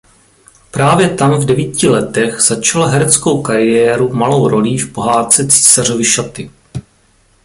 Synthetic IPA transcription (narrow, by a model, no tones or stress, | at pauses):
pɾaːvjɛt̪amvdɛviːcɪlɛt̪ɛɣz̥at͡ʃalɦɛɾɛt͡skowkaɾɪjɛːɾumalo̞wɾo̞liːfpo̞ɦaːt̪t͡sɛt͡si̥ːsar̝o̞vɪʃat̪ɪ